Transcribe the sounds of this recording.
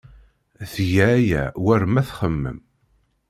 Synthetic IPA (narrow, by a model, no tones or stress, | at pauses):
θʝææjæ̰wæɾmæθχəmːə̰m